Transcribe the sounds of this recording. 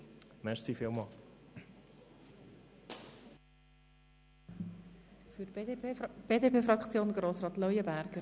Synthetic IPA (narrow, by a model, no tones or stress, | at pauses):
mɛɾsifɪlˠmɑl | fyt | b̥eːdepeːfɾɑkt͡sjoːnɡ̥ɾoːsrɑːt̪lœjəbæɾɡ̥ə